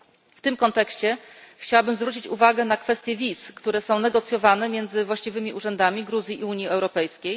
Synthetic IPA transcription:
ft̪ɘmkɔnt̪ɛkɕt͡ɕɛxt͡ɕawabɘmzvɾut͡ɕit͡ɕuvaɡɛnakfɛst̪jɛvʲiskt̪uɾɛsɔ̃w̃nɛɡɔt̪sjɔvanɛmʲjɛnd̪zɘvwaɕt͡ɕivɘmʲiʔuʐɛnd̪amʲiɡɾuzʲjiʔiuɲjiɛwɾɔpɛjskʲej

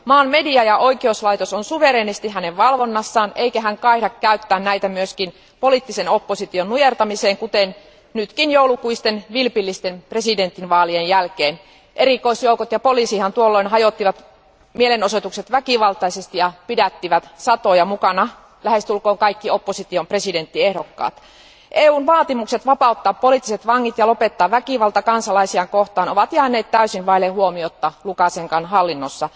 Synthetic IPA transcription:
mɑːnmediɑjɑʔoikieouslɑit̪osonsuʋeɾeːnist̪iɦæneʋʋɑlʋonːɑsːɑːneikæɦæŋkɑihdɑkkːæyt̪ːæːnnæit̪æmyøskin | polit̪ːisenopːosit̪ionnujert̪ɑmiseːŋkut̪en | nyt̪kinjoulukuist̪enʋilpilːist̪enpresident̪ːˑinʋɑːlienjælkeːn | ʔerikoisjoukot̪jɑpoliˑsihɑnt̪uolːoinɦɑjot̪ːiʋɑt̪ | mielenosot̪ukset̪ʋækiʋɑlt̪ɑisest̪ijɑpidæt̪ːiʋæt̪sɑt̪ojɑmukɑnɑ | læhest̪ulkoːŋkɑikːiopːosit̪iompresident̪ːiehdokːɑ̰ːt̪ | ʔeːuːnʋɑːt̪imukset̪ʋɑpɑut̪ːɑːppoliˑt̪ːiset̪ʋɑŋːit̪jɑlopet̪ːɑːʋʋækiʋɑlt̪ɑkɑnsɑlɑisiɑŋkoht̪ɑːnoʋɑt̪jæːnːˑeːt̪t̪æysinʋɑilehuomiot̪ːɑlukɑseŋkɑnhɑlːinːosːɑ

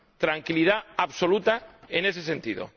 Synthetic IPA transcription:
t̪ɾaŋkilið̞aaβso̞lut̪aenes̬ese̞nt̪iðo̰

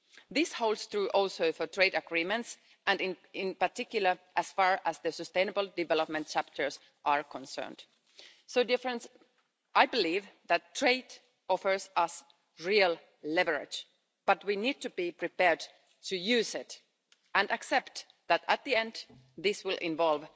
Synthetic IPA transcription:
ðɪshoʊlˠdsθɹuʔɔlˠsoʊfə˞tʰɹeɪdəɡɹimə̃nts | æ̃ndɪ̃nɪ̃npaɹtɪkjʊl̩ˠə˞ʔæsfɑɹæzðɨsɨst̪ẽɪ̃nəbl̩ˠdɨvɛlɔp̚mə̃nt̚t͡ʃʰæp̚tʰə˞s | ʔaɹkɔ̃nsɜ̰˞nd̥ | soʊdɪfɹə̃ns | ʔajbɨlivðætʰːɹ̥eɪd | ɔfə˞sʌs | ɹiəlˠ | lɛvəɹɪ̰d͡ʒ | b̥ʌtwinid̚tɨbipɹipɛɹd | tɨjʉːsɪt | æ̃ndɨksɛpt̪ | ðæt̪ət̪̚ðiɛ̃nd̪ | ðɪswɪlˠʔɪ̰̃ɱvɔlˠv

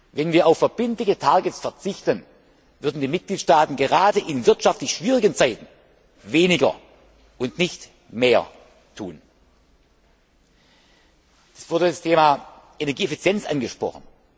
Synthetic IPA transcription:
vɛnviːɐʔaʊfɛɐb̥ɪntlɪçətʰaɐɡətsfɛɐt͡sɪçtən | vʏɐdn̩diːmɪt̚ɡ̥liːtʃtaːtn̩ɡəʁaːdəʔɪnvɪɐtʃaftlɪçʃv̥iːʁ̞ɪɡənt͡saɪtn̩ | veːnɪɡɐ̰ | ʔʊntnɪçt | meːɐ̰ | tʰuːn | d̥ḁsv̥ʊɐdədastʰeːmaː | ʔenɛɐɡiːefit͡sjɛnt͡sʔanɡəʃpʁ̥ɔ̰χən̩

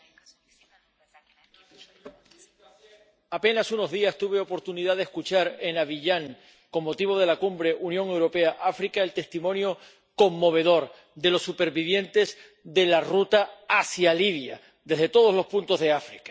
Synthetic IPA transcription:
ape̞nasuno̞zðiast̪uβe̞o̞po̞ɾt̪uniðaðeskut͡ʃaɾe̞naβiʎaŋ | ko̞mːo̞t̪iβ̞o̞ð̞e̞lakumbɾe̞ʔunjo̞ŋe̞wɾo̞pe̞aʔafɾikaelt̪e̞st̪imõ̞njo̞ | ko̞mːo̞β̞e̞ðo̞ɾ | d̪e̞lo̞sːupe̞ɾβiβ̞je̞nt̪e̞z | ðe̞larut̪aasjaliβja̰ | d̪e̞zðet̪o̞ð̞o̞zlo̞spunt̪o̞zðe̞afɾikḁ

